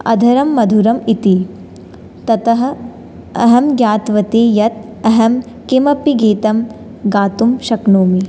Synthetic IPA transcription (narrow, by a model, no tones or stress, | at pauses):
ɐ̰d̪ʱɐɾɐmːɐd̪ʱuɾɐmit̪i | t̪ɐt̪ɐɦɐ̆ | ɐɦɐmjaːt̪ʋɐt̪eːjɐt̪̚ | ɐɦɐm | kemɐpiɡiːt̪ɐm | ɡaːt̪umʃɐknoːmi